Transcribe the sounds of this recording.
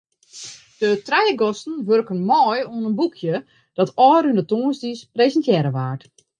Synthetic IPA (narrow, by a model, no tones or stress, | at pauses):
d̥ətrɛjəɡɔstn̩ʋørkənmɔːjuənənbukʰjə | d̥ɔtʰɔːryndətoːənsdispresəntjɛɾəʋaːrt